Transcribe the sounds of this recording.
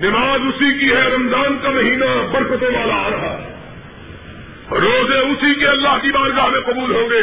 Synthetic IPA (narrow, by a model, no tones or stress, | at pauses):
nɪmaːzʊsikiɦɛɾɐmzaːnkamɐɦiːnabɐɾfət̪õʋaːlaɾɐɦa | ɾːoːzeʊsikeɐlːaɦkibaːɾɡaɦmẽqɐbuːlɦõːɡeː